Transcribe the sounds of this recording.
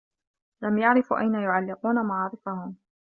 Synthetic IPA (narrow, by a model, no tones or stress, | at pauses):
lamjaʕɾɪfʔa̰jnajʊʕalːɪquːnamaʕːɾɪfahʊm